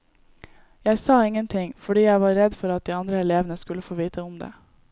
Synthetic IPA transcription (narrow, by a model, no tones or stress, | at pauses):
jæɪsɑːɪŋːənt̪ʰɪŋfɔɖiːjæɪʋɑːɾːɛd̪fɔɾɑt̪̚d̪iːɑnd̪ɾəɛleːʋənəskʉləfoːʋiːt̪ʰəʊmd̪ḛː